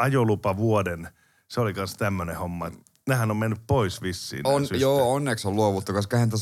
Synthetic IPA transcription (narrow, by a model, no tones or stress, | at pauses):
ɑjolupɑʋuoden | seolikɑnst̪æmːønehomːɑet̪ | nehænommenːyppoisʋisːḭːnonsjoːonːeksolluoʋut̪ːukɑskɑhent̪æ